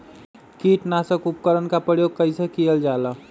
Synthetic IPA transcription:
kiːʈnaːsəkʊp̚kəɾənkapɾəjoːɡ̚kəɪsekijəld͡ʒaːla

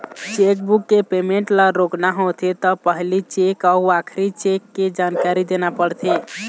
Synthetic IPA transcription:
t͡ʃek̚bukːepemeɳʈlaɾoknaɦot̪ʰet̪ɔpəɦlit͡ʃekauakʰɾit͡ʃekːed͡ʒankaɾid̪enapəɽt̪ʰe

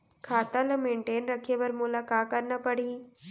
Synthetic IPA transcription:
kʰaːt̪əlmẽːɳʈeːnɾəkʰeʋəɾmʊlakaːkəɾnapəɽiː

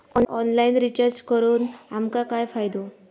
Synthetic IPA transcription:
ɔnɔnlainɾit͡ɕəɾt͡ɕkəɾuːnamkakajfajd̪o

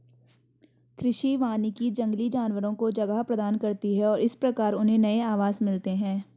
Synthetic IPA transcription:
kɾɪʃiʋaːnikid͡ʒɐ̃ŋɡlid͡ʒaːnʋəɾõkod͡ʒɐɡaɦpɾɐd̪aːnkɐɾt̪iɦɛɔːɾɪspɾɐkaːɾʊnɦẽnɐeaːʋaːzmɪlt̪eɦɛ̃ː

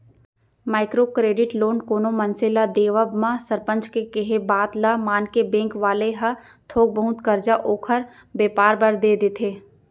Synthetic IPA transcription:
maːɪkɾokɾeːɖɪʈloːnkoːnomə̃nsɪlad̪eːʋəbmãsɐɾpə̃ɲt͡ʃkekeɦebaːt̪lamaːnkebẽːŋkʋaːleɦɐ | t̪ʰoːɡ̚bəɦʊt̪kɐɾd͡ʒaʔoːkʰəɾ | beːpaːɾbɐɾd̪eːd̪et̪ʰeː

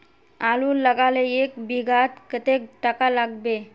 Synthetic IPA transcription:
aluːləɡaleekbʱiɡat̪kət̪ekʈəkalaɡbe

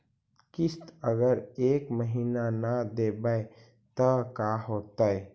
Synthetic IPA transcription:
kɪst̪əɡəɾeːkməɦiːnanad̪ebae | t̪əkaɦoːt̪ae

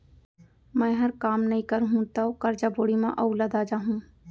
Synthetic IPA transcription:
mɛ̃ːɦɐɾkaːmnɐɦĩkəɾɦũt̪aokɐɾd͡ʒaːboːɽimã̰ʔɐʊləd̪aːd͡ʒaːɦũː

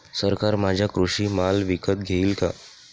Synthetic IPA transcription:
səɾkaɾmad͡ʑʱjakɾuɕiːmalʋikət̪̚ɡʱeilka̰

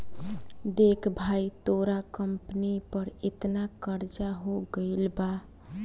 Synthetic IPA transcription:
d̪ekʰbʱait̪oɾakəmpənipəɾet̪nakəɾd͡ʒaɦoɡəɪlba

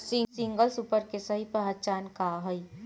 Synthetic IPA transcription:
sisĩŋɡəlsupəɾkesəɦipəɦət͡ʃaːnkaɦəi

